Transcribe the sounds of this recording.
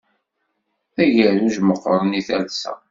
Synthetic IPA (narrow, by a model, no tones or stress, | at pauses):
æʝəðuʒməqːəɾˤəniθælsæ̰